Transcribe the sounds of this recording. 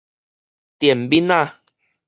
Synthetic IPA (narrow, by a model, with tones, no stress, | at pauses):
t̪jɛ˨˩mbi˦na˦˧˨